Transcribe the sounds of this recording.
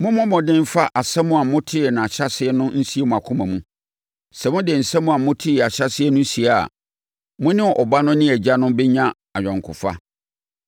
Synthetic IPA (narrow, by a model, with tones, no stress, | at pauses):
mʊ̃˦mʊ̃˦mɔ̃˨dɪ̃˦m̩˦fa˦ʔa˨sɛ˦mʊ̃˦a˨mʊ̃˦tʰɪ˦ɛ˨nã˨a˨ɕɾa˦sɪ˦ɛ˦nʊ̃˦n̩˦si˦e˦mʊ̃˨a˨kʰʊ̃˦mã˨mũ˦ | sɛ˨mʊ̃˦dɪ˨n̩˨sɛ̃˦mũ˦a˨mʊ̃˦tʰɪ˦ɛ˨a˨ɕɾa˦sɪ˦ɛ˦nʊ̃˦n̩˦si˨a̰˨ | mʊ̃˦nɪ̃˦˨ʔɔ˨ba˦nʊ̃˦nɪ̃˦æ˨d͡ʑa˦nʊ̃˦bɛ˦ɲã˦ | a˨ɥᶣɔ̃˨ŋ˨kʰʊ̰˨fa̰˦